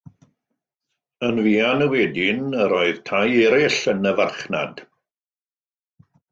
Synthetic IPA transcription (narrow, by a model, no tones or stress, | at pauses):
ənviːanəwɛdɪnəɾoɨð̥tʰajɛɾɪɬənəvarχna̰d̥